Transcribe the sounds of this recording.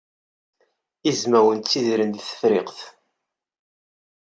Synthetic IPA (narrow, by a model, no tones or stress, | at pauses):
izmæwənt̪ːiðɾənd̪θə̥fɾɪqθ